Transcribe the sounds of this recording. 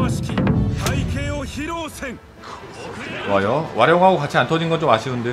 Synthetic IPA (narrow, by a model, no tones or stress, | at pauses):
ɕi̥kʲitʰaikeoçiɾoːseŋ | wajowʔaɾjʌŋɦaɡokat͡ɕʰiantʰʌd͡ʑinɡʌnt͡ɕomaɕʰiɯnde̞